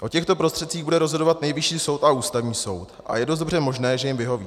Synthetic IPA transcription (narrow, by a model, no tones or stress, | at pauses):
ʔo̞cɛxt̪o̞pɾo̞st̪r̝̥ɛt̪̚t͡siːɣbudɛɾo̞zɦo̞do̞vat̪nɛjvɪʃiːso̞wt̪aʔuːst̪avɲiːso̞wt̪ʔa̰jɛdos̬tdor̝ɛmo̞ʒnɛːʒɛjɪmvɪɦo̞vḭː